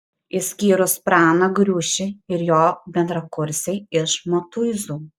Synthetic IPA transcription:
ɪsʲkʲiːɾʊspɾɑːnɐɡɾʲuːʃʲɪɪɾjoːbʲɛnd̪ɾɐkʊɾʲsʲɛɪɪʃmot̪uːzuː

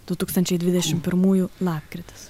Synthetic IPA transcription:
d̪̥ʊt̪uːkst̪ɐnʲt͡ʃʲɛɪd̪ʲʋʲɪd̪ʲɛʃʲɪmpʲɪɾmuːjulˠɑːp̚ʲkɾʲɪt̪ʲɪ̥s

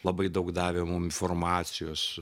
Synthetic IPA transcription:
lˠɐbɐɪd̪ɐʊkd̪ɑːʋʲeːmʊmɪnfoːrmɑːsʲɪjoːs

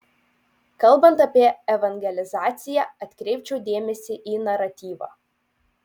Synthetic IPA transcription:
kɐlˠˑbɐnt̪ɐpʲiɛɛʋɐŋʲɡʲɛlʲɪzɑːt̪sʲɪjæɐt̪ʲkɾʲɛɪpʲt͡ʃʲɛʊd̪ʲeːmʲɛsʲɪʔiːnɐɾɐt̪ʲiːʋɑ̰ː

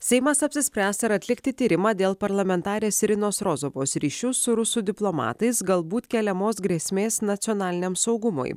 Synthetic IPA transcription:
sʲɛɪmɐsɐpʲsʲɪsʲpʲɾʲæːst̪ɐɾɐt̪ʲlʲɪkt̪ʲɪt̪ʲiːɾʲɪmɑːd̪ʲeːlˠpɐɾlˠɐmʲɛnt̪ɑːɾʲeːsɾʲɪnoːsɾozoʋoːsɾʲiːʃʲʊsʊɾʊsud̪ʲɪplˠomɑ̰ːt̪ɐɪsɡɐlˠbuːt̪kʲɛlʲɛmoːsɡɾʲeːsʲmʲeːsnɐt̪sʲɔːnɑːlʲɪnʲeːmsɒʊɡʊmo̰ɪ

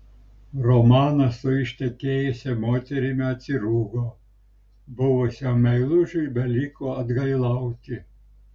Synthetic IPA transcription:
rɔmɑːnɐsʊɪʃʲt̪ʲɛkʲeːjʊsʲɛmoːt̪ʲɛɾʲɪmʲɛɐt̪ʲsʲɪɾuːɡoː | bʊʋʊsʲɪɐmʲɛɪlˠʊʒʲʊbʲɛlʲɪkoɐd̪ɡɐɪlˠɐʊt̪ʲɪ

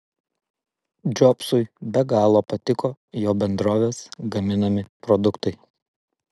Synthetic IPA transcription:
d͡ʒʲɔpsʊɪbʲɛɡɑːlˠoːpɐt̪ʲɪkoː | joːbʲɛnd̪ɾoːʋʲeːsɡɐmʲɪnɐmʲɪpɾɔd̪ʊkt̪ɐɪ

